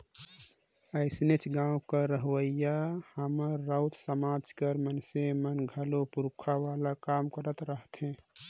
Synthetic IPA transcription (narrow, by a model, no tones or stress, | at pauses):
əɪsnet͡ʃʰɡãũkəɾəɦʋəjahəməɾːaʊt̪səmad͡ʒkəɾmənsemənɡʱəlopuɾukʰaʋalakamkəɾət̪ɾəɦt̪ʰɦẽ